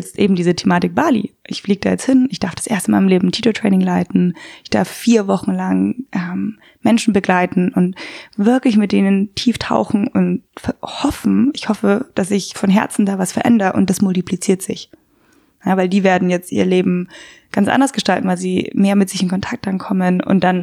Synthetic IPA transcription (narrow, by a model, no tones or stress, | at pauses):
jɛt͡stʔḛːbm̩diːzətʰemaːtɪk̚b̥aːlḭʔɪçfliːɡəd̥aːjɛt͡sthɪnɪçd̥aɐfd̥ḁsʔeːɐstənmaːlmleːbm̩tʰiːtotʁ̥ɛ̰ːnɪŋlaɪtn̩ɪçd̥a̰ɐffiːɐvɔχn̩laŋʔɛːm | mɛnʃn̩bəɡlaɪtn̩ʔʊntv̥ɪɐklɪçmɪt̚d̥eːnəntʰiːftʰa̰ʊxn̩ʊntfɛhɔfn̩ʔɪçhɔfəd̥as̬zɪçfɔnɦɛɐt͡sn̩daːvasfɛɐʔɛ̰ndɐʔʊ̰nt̚d̥asmʊltiplit͡siːɐtz̥ɪç | javaɪldiːveːɐdn̩jɛt͡stʔḭːɐleːbm̩ɡ̥ant͡sʔa̰ndɐsɡ̥əʃtaltn̩vaɪlziːmeːɐmɪtz̥ɪçɪnkʰɔntʰak̚t̚d̥ankʰɔmənʊ̰nt̚d̥an